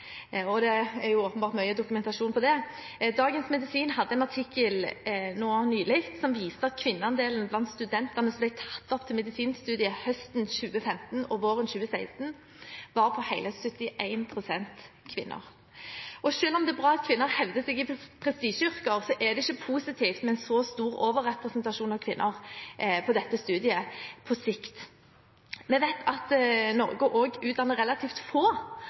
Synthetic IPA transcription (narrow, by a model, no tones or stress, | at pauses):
ɔd̪ɛæɾjʊoːpənbɑːɾt̪mœʏəd̪ʊkʉmɛnt̪ɑʃuːnpʰɔd̪ɛ | d̪ɑːɡənsmɛd̪ɪsiːnhɑd̪ːəɛnɑʁt̪ʰɪkːəlnoːɑnyːlɪkt̪sɔmʋiːsəɑt̪kʰʋɪnːəɑnd̪eːln̩blɑnt̪st̪ʉd̪ɛnt̪ənəsɔmblæɪt̪ʰɑ̥t̪ːɔpt̪ʰɪlmɛd̪ɪsiːnst̪ʉːd̪ɪəhœst̪nɕʉːəfɛmt̪n̩ɔʋoːʁənɕʉːəsæɪst̪n̩ | ʋɑʁpʰɔhæɪləsœt̪ːɪʔæɪnpʰʁʊsɛnt̪ | kʰʋɪ̰nʔə̰ʁ | ʔɔʃøːlɔmd̪ɛːbʁɑːɑt̪̚kʰʋɪnːəɾhɛʋd̪əsɛːɡɪpʰɾɛst̪iːʃʏʁkəʁsɔʔɛd̪ɛɪçəpʰuːsɪt̪ʰiːft̪mɛɛɪnsɔst̪uːɾoːʋəʁɛpɾɛsnt̪ɑʂuːnɑʋkʰʋɪnːʔəʁpʰɔd̪ɛt̪ːəst̪ʉːd̪ɪəpʰɔsɪkt̪ | mɛʋæɪt̪ʰɑt̪nɔ̰ɾɡəʔoɡʉːt̪̚d̪ɑnːəʁɛlɑt̪ʰiːft̪foː